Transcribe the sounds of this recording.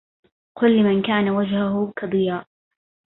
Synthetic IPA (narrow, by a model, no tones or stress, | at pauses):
qʊlːɪmankaːnawad͡ʒhʊɦʊkʰɑd̪ˤɨjaːʔ